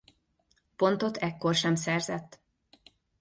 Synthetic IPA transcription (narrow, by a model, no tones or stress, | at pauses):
po̞nt̪o̞t̪ʰɛkːo̞rʃɛmsɛrzɛt̪ː